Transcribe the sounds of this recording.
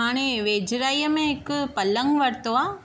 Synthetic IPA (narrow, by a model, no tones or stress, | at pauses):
aːɽ̃eʋeːd͡ʒɾaːijəmẽɦɪkpɐlə̃ŋɡʋɐɾt̪oaː